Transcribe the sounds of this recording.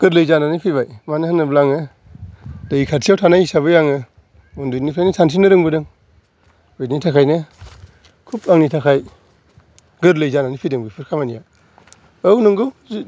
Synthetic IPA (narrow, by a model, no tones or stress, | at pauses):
ɡ̥ɯɾlɯjzananipʰibajmanɯhɯnɯblaŋɯ | d̥ajikʰaɾtʰijawtʰanajisaβɯjaŋɯ | undɯnipʰajnɯsʰans̬inɯɾɯŋbɯdɯŋ | ejtnitʰakʰajnɯ | kʰup̚aŋnitʰakʰaj | ɡɯɾlɯjzananipʰidɯŋbɯpʰɯɾkʰamanija | awnɯŋɡɯz